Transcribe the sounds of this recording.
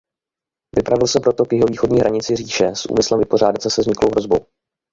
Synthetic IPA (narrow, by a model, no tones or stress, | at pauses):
vɪpɾavɪlsɛpɾo̞t̪o̞kjɪɦo̞viːxo̞dɲiːɦɾaɲɪt͡sɪr̝iːʃɛsʔṵːmɪslɛmvɪpo̞r̝aːdat̪sɛsɛzɲɪklowɦɾo̞zbow